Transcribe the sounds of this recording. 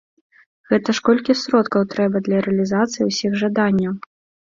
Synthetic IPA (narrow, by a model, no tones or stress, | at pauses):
ɣɛt̪ɐʂkɔlʲkʲisɾɔt̪kɐwt̪ɾɛbɐd̪lʲɐɾɛɐlʲizat̪sɨjiwsʲixʐad̪anʲːɐw